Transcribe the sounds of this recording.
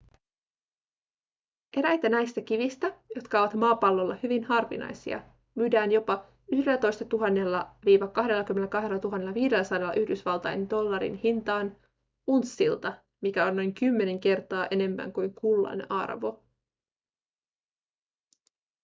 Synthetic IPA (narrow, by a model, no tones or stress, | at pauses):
e̞ɾæjt̪ænæjst̪æk̟iʋist̪æjo̞t̪kɑo̞ʋɑt̪mɑːpɑlːo̞lːɑhyʋinhɑrʋḭnɑ̰jsḭɑ̰ | myːdæːnjo̞pɑ | yhde̞læt̪o̞jst̪ɑt̪uɦɑnːe̞lːɑʋiːʋɑkɑɦde̞lːɑkymːenlːkɑɦdelːɑt̪uɦɑnːe̞lːɑʋiːde̞lːæsɑdelːɑ̰ʔyhdysʋɑlt̪ɑ̰jndo̞lːɑɾḭnhint̪ɑːn | unsːilt̪ɑ | mikæo̞nno̞jŋkymːe̞ne̞ŋke̞rt̪ɑːʔe̞ne̞mːæ̰ŋkujŋkulːɑ̰nɑ̰rʋo̞̰